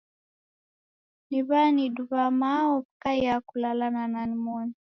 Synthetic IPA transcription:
niβaniduβamaɔpkajjakulalanananimɔni

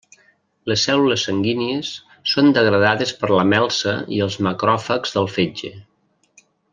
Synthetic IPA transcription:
ləsːɛluləsːəŋɡiniəsː | ond̪əɣ̞ɾəðaðəspəɾləmɛlˠsə̰ḭəlˠzməkɾɔfəkzðəlˠfed͡ʒe

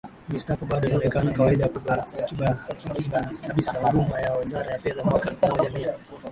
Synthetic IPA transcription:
mistapɔɓaɗɔiniɔnɛkanakawaiɗaakuɓakiɓakikiɓakaɓisawaɗumajawazaɾajafɛðamwakaamɔʄami

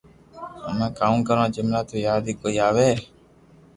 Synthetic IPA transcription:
əmẽːkaːmːkəɾʋãːd͡ʒəmnaːt̪oːjaːd̪iːkoːiːaːʋeː

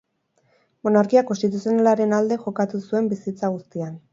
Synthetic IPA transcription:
mo̞naɾkiakost̪it̪̬usio̞nalaɾe̞nald̪e̞xo̞kat̪usue̞mbisit͡saɣ̞ust̪ian

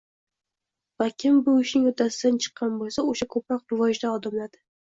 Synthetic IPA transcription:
v̥akʲʰɪmbʊɪʃnɪŋot̪ʰasɪd̪ant͡ʃʰɨ̥qʰːɑnbolˠsaoʃakʰɵpɾɒq̚d̪ʊvɒjɪʃd̪aɒd̪ɪmlad̪ɪ

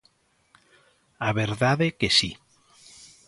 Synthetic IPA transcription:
aβeɾðaðekesi

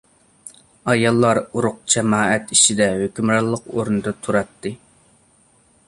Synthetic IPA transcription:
ɑjɑlˠːɑɾuɾʊq̚d͡ʒɛmɑːɛt̪it͡ʃid̪ɛhøkʲymɾɑlˠːəqoɾnɨd̪ɑt̪ʰuɾɑt̪ːɨ

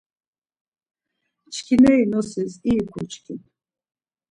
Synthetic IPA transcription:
t͡ʃʰkʲʰinɛinɔsiziːkʷʰut͡ʃʰkʰin

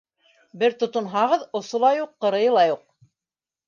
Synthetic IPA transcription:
bɘɾt̪ŏt̪ŏnɦɑʁɤðŏsŏlˠɑjuqːɤ̆ɾɤ̆jɤ̆lˠɑjuq̚

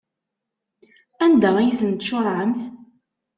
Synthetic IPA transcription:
ænd̪æijiθənt̪ʃʊɾˤʕəmθ

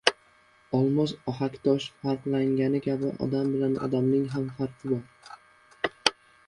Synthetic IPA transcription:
ɒlˠmɒzɒɦakʲt̪ʰɒʃfaɾqlaŋɡʲanɪkʲʰabɪʔɒ̰d̪ambɪlanɒ̰d̪amnɪŋɦamfaɾq̪ʰɪbɒɾ

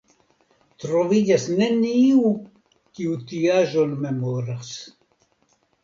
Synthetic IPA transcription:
t̪ɾovid͡ʒasne̞niu | kiutiaʒonme̞mo̞ɾas

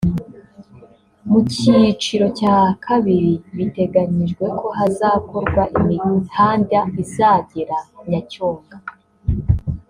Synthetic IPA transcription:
mucit͡ʃiɾo̞caːkʰaβiɾiβite̞ɡaɲiʒɡwe̞kʰo̞ɦazaːko̞ɾɡwaʔimihaːndaizaɟiɾaɲacoːŋɡa

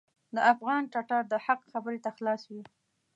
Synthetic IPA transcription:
d̪əʔafɣɑnʈɑʈɑɾd̪əhaqxabəɾet̪axlɑswi

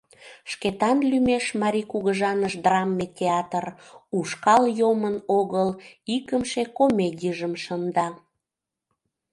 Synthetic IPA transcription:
ʃket̪ɑnlymeʃmɑɾʲikuɣəʒɑnəʃd̪rɑmːetʲeɑt̪əruʃkɑljomənoɣəlikəmʃekomedʲiʒəmʃənd̪ɑ

